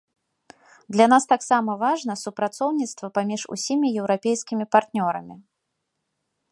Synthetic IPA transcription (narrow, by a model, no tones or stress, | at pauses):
d̪lʲanast̪aksamɐvaʐnɐsupɾat̪sɔwnʲit̪st̪vɐpamʲiʂṵsʲimʲijɛwɾapʲejskʲimʲipart̪nʲɔɾɐmʲi